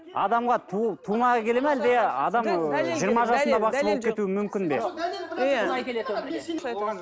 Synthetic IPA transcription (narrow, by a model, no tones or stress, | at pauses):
ɑ̰d̪ɑmʁɑt̪ʰut̪ʰumɑkʲʰe̞le̞mæld̪eɑ̰d̪ɑmʒijəɾmɑʒɑsənd̪ɑbɑqʃbolˠpkʰʲe̞t̪uɪmʏmkʲɪnbḛ | lɑjkʲelet̪